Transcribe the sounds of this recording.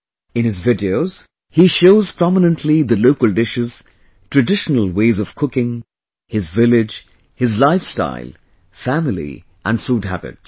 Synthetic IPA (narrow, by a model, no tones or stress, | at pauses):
ɪ̃nɨzvɪdioʊz̥ | hiʃoʊz̥pʰɹ̥ɑmənə̃ntʰliðəloʊkəlˠdɪʃɪz̥ | tʰɹ̥ɨdɪʃnəl̩ˠweɪzʌv̥kʰʊkɪ̃ŋ | hɪzvɪlɪd͡ʒ | hɨzlaɪfsta̰ɪlˠ | fæmɪlḭ | ʔə̰̃nsud̚hæ̰bɪ̰ts